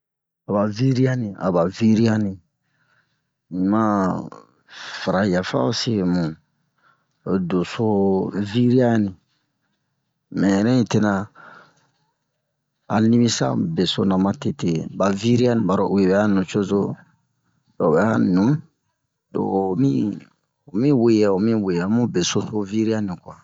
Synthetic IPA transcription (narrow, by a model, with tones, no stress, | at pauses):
a˨ba˨vi˦ɾi˦a˦nĩ˨a̰˨ba˨vi˦ɾi˦a˦nĩ˨ | i˨ma˦ | fa˨ɾa˨ja˨fa̰˦o˦se˦˨mũ˨ | do˨so˦vi˦ɾi˦a˦nĩ˨ | mɛ̃˨ɾɛ̃˦i˨te˦nã˨ | a̰˨nĩ˦bĩ˦sã̰˦be˨so˦nã˨mã˦te˨te˨ba˨vi˦ɾi˦a˦nĩ˨ba˨ɾo˨u˨e˨bɛ˨a˦nũ˨t͡ʃo˦zo˦ | do˨bɛ˨˦a˦nũ˨ | do̰˨mĩ˦ | o˨mĩ˦we˦˨jɛ˨o˨mĩ˦we˨jɛ˨˦mũ˦be˨so˦so˦vi˦ɾi˦a˦nĩ˨kwa˨